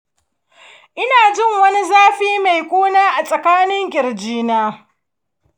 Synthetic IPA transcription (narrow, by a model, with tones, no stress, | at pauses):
ʔɪ˦naː˨d͡ʒɪ˦˨ŋwɐ˦ni˦zaː˦ɸiː˦ma˨jkʷoː˦naː˦ʔa˨sʼɐ˨kaː˦nɪ˦ŋkʲʼɪ˨ɾd͡ʒiː˦naː˦